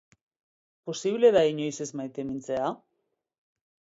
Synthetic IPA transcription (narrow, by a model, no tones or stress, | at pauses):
posiβle̞ðaiɲo̞jsezmajt̪e̞mint͡se̞a